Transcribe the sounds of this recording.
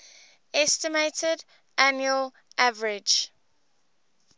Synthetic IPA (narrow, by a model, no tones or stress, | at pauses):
ɛstɪmeɪtʰəd | ʔænjuəl | ʔavəɹɪd͡ʒ